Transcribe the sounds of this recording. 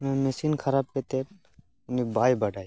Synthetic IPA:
mɛ̃mesiːnkʰɐɾaːb̚ket̪eː | ʊnibaːjbɐɽʱaːi

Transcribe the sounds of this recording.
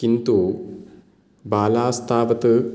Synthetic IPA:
kint̪u | baːlaːst̪ʰaːʋɐt̪ɨ

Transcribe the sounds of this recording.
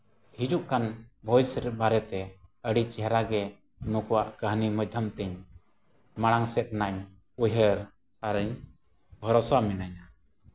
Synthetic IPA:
hid͡ʒuʔkanbʱɔjsəɾɛt̪̚baɾɛt̪ɛəɽit͡ʃɛɦɾaɡɛ | nɔ̃kɔwaʔkəɦniməd̪ʱəmt̪ɛɲ | maɽ̃aŋsɛt̪̚naɲ | ujɦəɾ | aɾəɲ | bʱɔɾɔsamɛnaɲa

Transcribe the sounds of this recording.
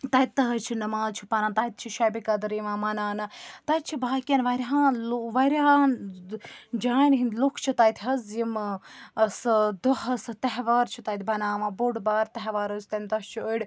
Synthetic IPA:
t̪ɐt̪̚ʲt̪ɐɦɐt͡ʃʰinɐmaːzt͡ʃʰipɐɾãːnt̪ɐjt̪̚t͡ʃʰiʃɐjbikɐd̪ɾiʋãːmɐnaːnɐt̪ɐt̪̚t͡ʃʰibaːkʲɐnʋɐɾʲɦãːlʋɐɾʲa | d͡ʒaːinɦind̪lukʰt͡ʃʰit̪ɐjt̪ʰɦɐzjim | sɨd̪ohɐsɨt̪ɐɦʋaːɾt͡ʃʰit̪ɐjt̪ʰʲbɐnaːʋãːboɽbaːɾt̪ɐɦʋaːɾost̪ɐmt̪ɐst͡ʃʰioɽ

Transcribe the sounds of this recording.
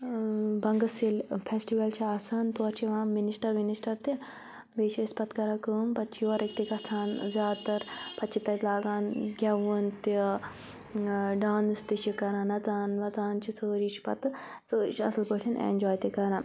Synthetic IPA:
bɐŋɡɐsilpʰesʈiʋɐlt͡ʃʰiasɐnt̪oːɾt͡ʃʰiʋãːminisʈɐɾminisʈɐɾt̪i | beːʃispɐt̪kɐɾakəːmpɐt̪t͡ʃʰioːɾɐkt̪ikɐst̪ʰaːnzʲjaːd̪̚t̪ɐɾpɐt͡ʃʰit̪ɐlaːɡaːnɡʲɐʋunt̪i | ɖaːnst̪iʃikɐɾãːnɐt͡saːnʋɐt͡saːnt͡ʃʰit͡səːɾit͡ʃi̥pɐ̰t̪ | t͡səːt͡ʃɐ̰sɨlpəʈʰinʔḛnd͡ʒoːjt̪ikɐɾãn

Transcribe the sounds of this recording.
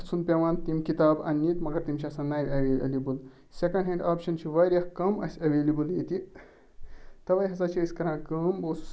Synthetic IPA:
t͡sʰunpʲeʋãːnt̪imʲkit̪aːbɐ̰nːit̪mɐɡɐɾt̪imʲt͡ʃʰɐsãnːaːjɾʲɐʋelibɨl | sʲekɐ̃ɳɖɦẽɳɖaːpʃɐnt͡ʃʰiʋɐɾʲjahkɐmɐ̰sʲɐʋeːlibɨljeːt̪i | t̪ɐʋɐjɦɐzat͡ʃʰiisʲkɐɾãːkɐmboːsu̥

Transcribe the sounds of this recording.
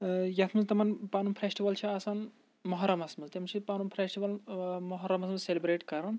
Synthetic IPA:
jɐt̪ʰmɨzt̪ɐmɐnpaːnumpʰɾesʈiʋɐlt͡ʃʰiɐsan | mɐɦɐɾɐmɐsmɐlt̪imt͡ʃʰipaːnumpʰɾesʈiʋɐlmɐɦɐɾɐmɐsmɨlselibɾeːʈkɐɾɐn

